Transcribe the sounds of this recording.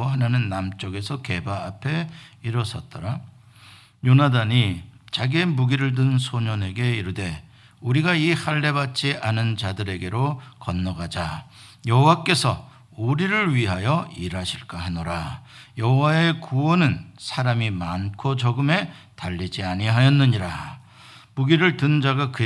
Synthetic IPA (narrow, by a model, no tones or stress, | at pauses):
ɦananɯnːamt͡ɕ͈oɡe̞sʰʌke̞baːpʰe̞iɾʌsʰʌt̚t͈ʌɾa | jonadaɲit͡ɕaɡie̞muɡiɾɯɭdɯnnsʰoɲʌne̞ɡe̞iɾɯde̞ | uɾiɡaihaɭːe̞bat̚t͡ɕ͈iʔanɯnt͡ɕadɯɾe̞ɡe̞ɾokʌnːʌɡad͡ʑa | jʌɦowak͈e̞sʰʌ | uɾiɾɯɭɥiɦajʌiɾaɕʰiɭk͈aɦanoɾajʌɦowae̞kuwʌnɯnsʰaɾamimankʰot͡ɕʌɡɯme̞taʎːid͡ʑiaɲiɦajʌnːɯɲiɾa | muɡiɾɯɭtɯnd͡ʑaɡakɯ